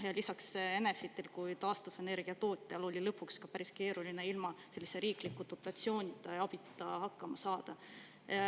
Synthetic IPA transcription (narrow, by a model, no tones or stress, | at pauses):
jɑlisɑkse̞ne̞fit̪ːilkujt̪ɑːst̪ufe̞ne̞rɡ̥iɑt̪o̞ːt̪ʲːˑeɑlo̞lʲilɤpːˑukskɑpæɾiske̞ːɾuline̞ilmɑse̞lʲːiseɾiːklikːˑud̪̥o̞t̪ːˑɑt̪sio̞ːnʲid̪ɑɑb̥it̪ːˑɑhɑkːɑmɑsɑːd̪̥ɑ